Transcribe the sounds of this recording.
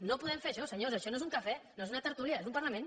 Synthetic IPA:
nopuðɛmfeɾɐʃɔsəɲosɐʃɔnoezuŋkɐfɛnoezunɐt̪əɾt̪uliɐezumpaɾlɐmẽn

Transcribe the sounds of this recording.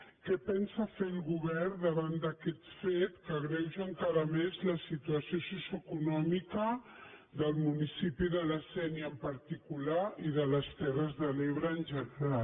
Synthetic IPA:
kɛpɛnsəfelˠɣuβɛrd̪əβand̪əkɛt̪fet̪kəɣɾɛwʒəŋkaɾəmezləsit̪uəsiosusjəkunɔmikə | d̪əlˠmunisipiðələsɛniəmpəɾt̪ikulaiðələst̪ɛrəzðəleβɾəːnʒənəɾa

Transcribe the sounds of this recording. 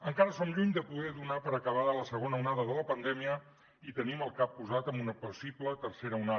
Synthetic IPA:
əŋkaɾəsɔmʎuɲd̪əpuðɛðunapəɾəkəβ̞aðələsəɣ̞onəunaðəðələpənd̪ɛmiə | it̪əniməlˠkapːuzat̪əmbunəpusiplət̪ərseɾəuna

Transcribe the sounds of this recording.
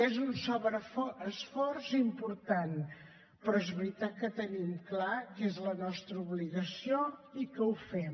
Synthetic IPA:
ezunsɔβɾəfəsfɔɾzimpuɾt̪an | pɾɔezβɾit̪at̪̚kət̪ənimklakezlənɔst̪ɾəuβliɣəsioikəufɛm

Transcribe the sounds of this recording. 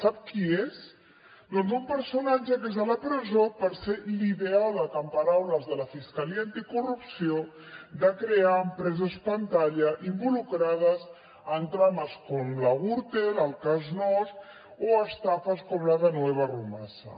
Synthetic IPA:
sap̚kiez | d̪ond̪umpəɾsunad͡ʒəkezalapɾəzopəɾseliβeaðət̪əmpaɾawləzðəlɐfiskaliaːnt̪ikurupsio | d̪əkɾeaəmpɾɛzəspant̪aʎəʔimbulukɾað̞əz | ənt̪ɾaməskɔmlaɣuɾt̪eləlˠkaznɔst̪ | oəst̪afəskɔmlaðənweβ̞arumasɐ̰

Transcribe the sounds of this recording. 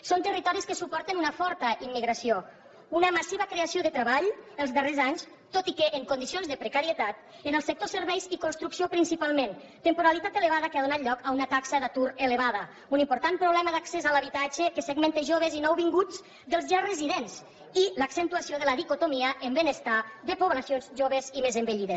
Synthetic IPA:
sont̪ərit̪ɔɾiskəsupɔɾt̪enunəfɔɾt̪əʔimːiɣɾasio | unəmasiβəkɾeasioðət̪ɾəβaʎəlˠzðərezaɲs | t̪ot̪ikeʔːŋkund̪isionzðəpɾəkaɾiət̪at̪ | ənəlˠsək̚t̪osəɾβɛjzikunst̪ɾuksiopɾinsipalˠmen | t̪əmpuɾalit̪at̪ələβaðəkəaðunat̪ʎɔkəunat̪aksəðat̪uɾeləβaðə | unimpuɾt̪ampɾuβlɛməðaksezalaβ̞it̪ad͡ʒekəsəɣment̪eʒoβezinɔwβiŋɡud͡z | d̪əlˠzʒarəziðenz | iləksent̪uasioðələðikut̪omiəʔəmbənəst̪ad̪əpuβlasionzʒoβəzimezəmbəʎiðe

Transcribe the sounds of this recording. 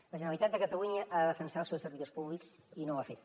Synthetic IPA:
ləʒənəlit̪at̪̚d̪əkət̪əluɲəʔaðəðəfənsalˠsɛwsəɾβiðospuβliks | inoafet̪

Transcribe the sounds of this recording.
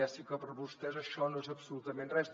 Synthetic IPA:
asikəpəɾβust̪ɛzəʃɔnoezəpsulut̪əmẽnrɛs

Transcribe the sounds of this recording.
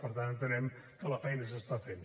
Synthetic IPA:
pəɾt̪annt̪ənɛm | kələfɛjnəs̬əst̪afen

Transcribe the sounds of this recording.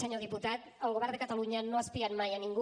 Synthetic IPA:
əɲoðiput̪at̪əlˠɣuβɛrnd̪əkət̪əluɲənoəspiat̪majəniŋɡu

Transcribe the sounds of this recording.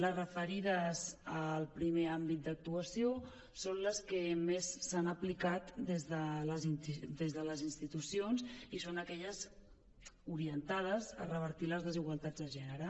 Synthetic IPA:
ləzrəfəɾiðəzəlˠpɾimeambit̪̚d̪ək̚t̪uəsio | sonləskəmesːanəplikat̪d̪ezðələzind̪ezðələzinst̪it̪usionzisonəkɛʎəz | uɾiənt̪að̞əzə̰rəβ̞əɾt̪iləzðəziɣwalˠt̪ad͡zðəʒɛnəɾə

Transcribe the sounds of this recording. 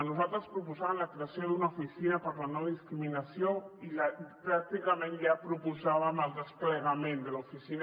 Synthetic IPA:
nuzalˠt̪ɾəspɾupuzaβəmləkɾeasjoðunaufisinəpəɾlanɔðiskɾiminəsjoiʎapɾak̚t̪ikamẽnʎapɾupuzaβəməlˠd̪əspləɣamẽnd̪əlufisin

